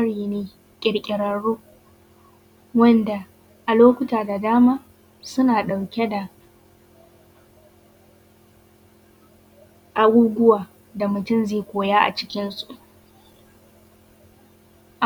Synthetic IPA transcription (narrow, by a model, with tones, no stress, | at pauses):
ɐ˦ɽiː˨neː˨ | kʲʼɪ˨ɽkʲʼɪ˨ɽɐ˨ɽːoː˦ | wɐ˦nda˨ | ʔa˨loː˦kʷʊ˦taː˨da˨daː˦maː˦ | sʊ˦naː˨ɗa˨wkʲɛ˦da˨ | ʔa˦ɡʷuː˦ɡʷʊ˦waː˨ | da˨mʊ˨tʊ˦˨mzeː˦˨kʷoː˨jaː˦ʔa̰˨t͡ʃɪ̥˦kʲɪ˦nsu˨ʔ | ʔ